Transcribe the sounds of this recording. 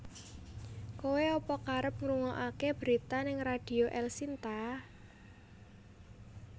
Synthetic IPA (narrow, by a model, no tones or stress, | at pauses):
koweɔpɔkaɾəp̚ŋɾuŋɔʔakebɾit̪anɪŋrad̥i̤oʔɛlsint̪a